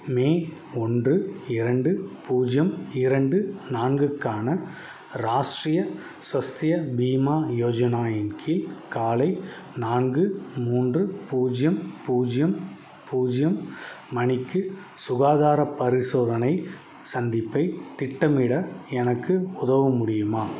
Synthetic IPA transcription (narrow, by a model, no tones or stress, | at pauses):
meːɔndrɯɪɾɐɳɖɯpuːd͡ʒjɐmɪɾɐɳɖɯnaːnɡɯkːaːnɐ | ɾaːʂʈrijɐ | sʋɐst̪ɪjɐbiːmaːjoːd͡ʒɐnaːjɐnkʰɪlkaːlɐɪ | naːnɡɯmuːndrɯpuːd͡ʒjɐmpuːd͡ʒjɐm | puːd͡ʒjɐmː | ɐnɪkːɯ | sʊɣaːðaːɾɐpɐɾɪsoːðɐnɐɪ | sɐnd̪ɪpːɐɪt̪ɪʈːɐmɪɽɐɛnɐkːɯʊðɐʋɐmʊɽɪjɯmaː